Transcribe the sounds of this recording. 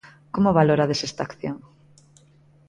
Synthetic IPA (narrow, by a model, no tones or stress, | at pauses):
komoβaloɾaðesest̪akθjoŋ